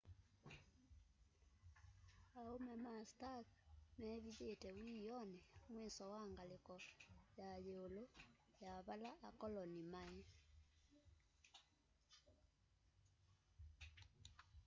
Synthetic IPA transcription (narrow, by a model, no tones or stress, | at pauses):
aomɛmastakmɛβiðetɛwijɔnɛmwɛsɔwaŋɡalekɔjajeolo | jaβalaʔːkɔlɔnimaɛ